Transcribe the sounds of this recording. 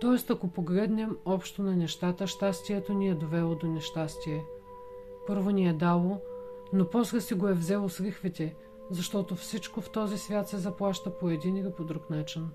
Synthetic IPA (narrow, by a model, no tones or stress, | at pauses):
t̪ɔɛst̪ɐkopoɡlɛd̪nɛmɔpʃt̪onɐnɛʃt̪at̪əʃt̪ast̪iɛt̪oniɛd̪ovɛlˠod̪onɛʃt̪ast̪iɛ | pɤɾvoniɛd̪alˠonopɔslʲɛsiɡoɛvzɛlˠoslixvit̪ʲɛ | zɐʃt̪ɔt̪ofsit͡ʃkoft̪ɔzisvʲjat̪sɛzɐplˠaʃt̪əpoɛd̪inilipod̪ɾuknat͡ʃin